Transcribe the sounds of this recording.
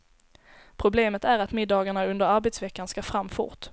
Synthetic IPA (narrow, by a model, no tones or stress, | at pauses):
pʰɾʊbleːmət̪æɾat̪mɪd̪ːɑːɡaɳaɵnd̪əɾaɾbɛt̪svɛkːanskafɾamːfʊ̰ʈ